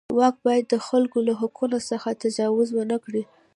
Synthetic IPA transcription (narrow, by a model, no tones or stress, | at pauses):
wɑk̚bɑjad̪ːəxalkolaɦʊkunosəxat̪ad͡ʒɑwʊzwənəkɽi